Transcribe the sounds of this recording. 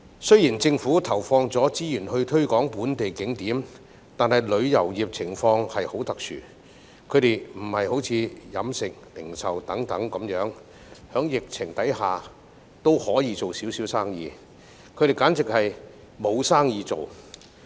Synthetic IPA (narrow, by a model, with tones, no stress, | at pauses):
sɵ˥ɥjiː˨˩nt͡sɪ˧ŋfuː˨˥t̪ʰɐ˨˩wfɔː˧ŋt͡sɔː˨˥t͡siː˥jyː˨˩nhɵ˧ɥt̪ʰɵ˥ɥkɔː˨˥ŋpuː˨˥nt̪e˨jkɪ˨˥ŋt̪iː˨˥m | t̪aː˨nɦɐ˨jlɵ˨˧ɥjɐ˨˩wjiː˨p̚t͡sʰɪ˨˩ŋfɔː˧ŋhɐ˨jho˨˥wt̪ɐ˨k̚t͡ʃʰy̰ː˨˩ | kʰɵ˨˧ɥt̪e˨jm̩˨˩hɐ˨jho˨˥wt͡sʰiː˨˧jɐ˨˥msɪ˨k̚lɪ˨˩ŋsɐ˨wt̪ɐ˨˥ŋt̪ɐ˨˥ŋkɐ˨˥mjœː˨˥ŋ | hœː˨˥ŋjɪ˨k̚t͡sʰɪ˨˩ŋt̪ɐ˨˥jhaː˨ | t̪o˥whɔː˨˥jiː˨˧t͡so˨wsiː˨˥wsiː˨˥wsaː˥ŋjḭː˨˧ | kʰɵ˨˧ɾe˨jkaː˨˥nt͡sɪ˨k̚hɐ˨j | mo˨˧wsaː˥ŋjiː˨˧t͡so˨w